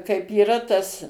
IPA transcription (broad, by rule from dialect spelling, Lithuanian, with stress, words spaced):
kɐɪp iːˈrɐ tɐs